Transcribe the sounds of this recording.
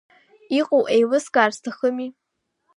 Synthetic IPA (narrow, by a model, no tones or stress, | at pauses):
iqʼowʔejwɨsɡʼaːrstʰaχəmi